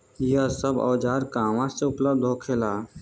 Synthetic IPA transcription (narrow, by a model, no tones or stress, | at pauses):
iəsəbɔ̰ːd͡ʒaːɾkãːʋãseʊpləbd̪ʱɦoːkʰeːlaː